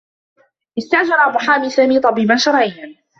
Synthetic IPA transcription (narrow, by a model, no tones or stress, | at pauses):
ʔɪst̪aʔd͡ʒɑɾˤʔbʊħaːmiːsaːmiːt̪ˤɑbiːbanʃɑɾˤʕij